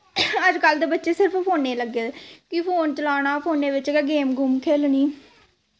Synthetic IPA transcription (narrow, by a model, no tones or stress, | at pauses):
əd͡ʒkəld̪eːbətːʃeːsɪɾəpʰpʰoːnːeːləɡːeːkiːpʰoːnt͡ʃəlaːɽ̃aːpʰoːneːʋɪt͡ʃkːɡeːmɡʊmkʰeːlniː